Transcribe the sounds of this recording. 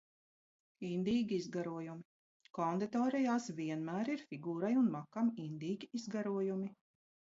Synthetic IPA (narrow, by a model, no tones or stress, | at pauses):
ind̪iːɡʲiizɡaɾuɔjumi | kɔnd̪it̪ɔːɾɛjaːsviɛnmæːɾiɾfʲiɡuːɾajunmakamind̪iːɡʲiizɡaɾuɔjumi